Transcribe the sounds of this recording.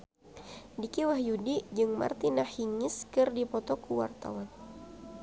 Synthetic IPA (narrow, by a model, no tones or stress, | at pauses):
dikiwaɦjudid͡ʒɨŋma̰rt̪inahiŋɪskɨrdipɔt̪ɔkuwa̰rt̪a̰wan